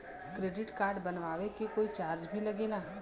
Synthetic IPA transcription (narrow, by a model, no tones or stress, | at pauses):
kɾeːɖɪʈkaːɾɖbɐnʋaːʋekekoːit͡ʃaːɾd͡ʒbʱilɐɡeːlaː